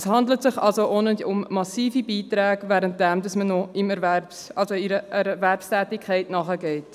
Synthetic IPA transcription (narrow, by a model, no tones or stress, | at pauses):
shɑndlətsɪχɑ̰lsoʔonəʊmːɑsiːfibiːtɾɛːɡvɛːɾənt̚d̥ɛmdɑsmənɔɪmɛɾværpsʔɑlsoiɾəʔɛɾværpstɛːtikχɛɪtnɑːχəɡɛɪt